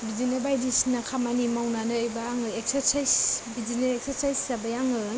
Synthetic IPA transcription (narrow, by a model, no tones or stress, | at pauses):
bid͡ʒinabajdisnakʰamanimawnanɯojbaaŋɯek̚seɾsajsbizinaek̚sʰeɾsajssabajaŋɯ